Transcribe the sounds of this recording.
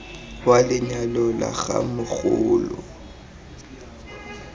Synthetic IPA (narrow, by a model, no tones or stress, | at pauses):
walɪɲalɔla̰ɣa̰mʊɣʊ̰ːlʊ